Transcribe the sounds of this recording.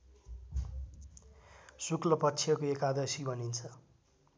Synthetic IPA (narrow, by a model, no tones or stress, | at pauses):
suklʌpʌtːsʰijʌkoekad̪ʌsibʱʌnint͡sʰʌ